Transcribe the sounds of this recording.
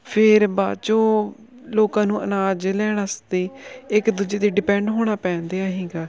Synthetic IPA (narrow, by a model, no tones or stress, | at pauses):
pʰɪɾba̰ːt͡ʃõː | loːkãːnũːənaːd͡ʒelɛːɽ̃aːsd̪eːɪkd̪ud͡ʒeːt̪eːɖɪpɛ̃ɳɖɦoːɽ̃aːpɛ̃ːnd̪eːaːɦiːɡaː